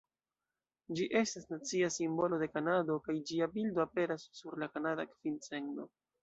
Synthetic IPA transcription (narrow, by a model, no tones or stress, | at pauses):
d͡ʒiʔe̞stasnat͡siasimbo̞lo̞de̞kanado̞kajd͡ʒiabildo̞ape̞ɾasːuɾlakanadakv̥int͡se̞ŋɡno̞